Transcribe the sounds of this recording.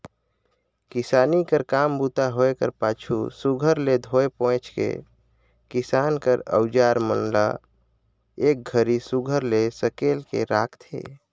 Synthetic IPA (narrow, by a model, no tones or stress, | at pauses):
kɪsaːnikəɾkaːmbut̪aɦoekəɾpaːt͡ʃʰusuɡʱəɾled̪ʱoepɔ̃ːt͡ʃkḛ | kɪsaːnkəɾə̰wd͡ʒaːɾmənla̰ | ek̚ɡʱəɾisuɡʱəɾlesəkeːlkḛɾaːkʰt̪ʰḛː